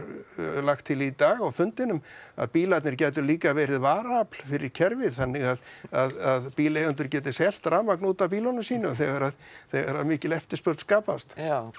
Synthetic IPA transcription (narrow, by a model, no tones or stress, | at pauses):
ɾlaxt̪ʰːɪlit̪aːɣawfʏnt̪ɪnʏma̰ðpiːlat̪nɪɾcɛːt̪ʏɾliːkavɛːɾɪðvaːɾapl̥fɪɾɪɾcʰɛɾvɪðθanːɪɣaðaðaðpiːlejʏnt̪ʏɾcɛːt̪ɪsɛl̥t̪ɾaːmaknuːt̪apiːlɔnʏmsiːnʏaθɛɣaɾaðθɛɣaɾaðmɪːcɪlɛft̪ɪ̥spœɾt̪skaːpast̪